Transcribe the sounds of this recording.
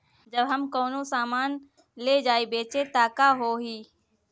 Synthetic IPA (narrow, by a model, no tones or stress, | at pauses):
d͡ʒəbɦəmkoːnõsaːmaːn | leːd͡ʒaːibeːt͡ʃet̪aːkaɦoːɦiː